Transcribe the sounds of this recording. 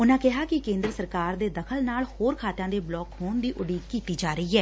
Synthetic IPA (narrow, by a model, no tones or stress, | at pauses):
ʊnãːkɪɦaːkɪkẽːnd̪ɾəsəɾkaːɾd̪eːd̪əkʰəlnaːlhoːɾkʰaːt̪jãːd̪eːblɔːkɦoːnd̪iːʔʊɖiːkiːt̪iːd͡ʒaːɾəiːɦɛː